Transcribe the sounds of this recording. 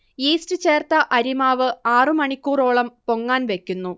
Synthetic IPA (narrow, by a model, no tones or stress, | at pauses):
iːstɨt͡ɕe̞ːrt̪ɐʔɐɾimaːʋɨaːrɨmɐɳikʲːuːro̞ːɭɐmpo̞ŋːaːnʋe̞kʲːunːu